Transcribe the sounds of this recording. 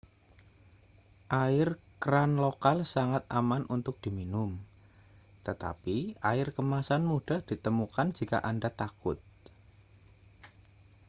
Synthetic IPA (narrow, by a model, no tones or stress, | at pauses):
ʔaɪr | kəɾanlokalsaŋat̪a̰manʔunt̪ʊk̚d̥i̤minʊm | t̪ət̪a̰piaɪrkəmasanmuɖ̥a̤hd̥it̪əmukand͡ʒika̰ʔandat̪akʊ̰t̪̚